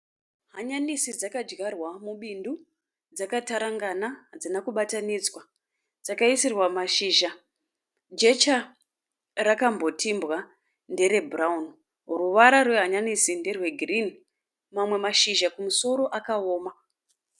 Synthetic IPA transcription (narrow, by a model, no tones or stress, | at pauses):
ɦaɲanisid͡zakad͡ʒɡarwamuɓindu | d͡zakataɾaŋɡanad͡zinakuɓatanid͡zwa | d͡zakaisirwamaʃiːʒa | d͡ʒe̞t͡ʃa | rakambo̞tʰimbɣa | nde̞ɾe̞bʱuraun | ruʋaɾarwe̞ɦaɲanisinde̞rwe̞ɡʱrin | mamwe̞maʃiʒakumuso̞ɾo̞ʔakaoːma